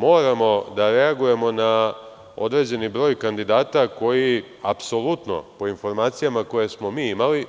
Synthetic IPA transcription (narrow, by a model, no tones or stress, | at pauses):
mo̞ːɾamo̞d̪aɾe̞aɡuje̞mo̞na | o̞̰d̪ɾe̞d͡ʑe̞nibɾo̞ːjkand̪id̪aːt̪ako̞ji | apso̞lˠut̪no̞̰po̞info̞ɾmaːt̪sijamako̞je̞smo̞miːimali